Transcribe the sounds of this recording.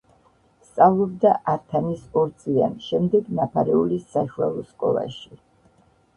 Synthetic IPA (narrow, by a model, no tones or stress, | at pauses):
st̪sʼavlˠɔbd̪aʔaɾt̪ʰanisɔɾt̪sʼlia̰nʃɛmd̪ɛɡnapʰaɾɛulisaʃualˠɔskʼɔ̰lˠa̰ʃi